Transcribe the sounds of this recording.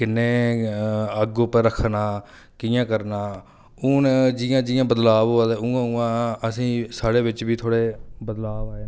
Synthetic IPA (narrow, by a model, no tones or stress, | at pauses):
kɪnːeː | əɡopəɾəkʰnaː | kijãːkəɾnaː | ʊnd͡ʒɪjãːd͡ʒɪːjãːbəd̪laːʋːad̪euːãːũːãːəsĩːsaːɽeːʋɪt͡ʃbiːt̪ʰoːɽeːbəd̪laːʋaːeː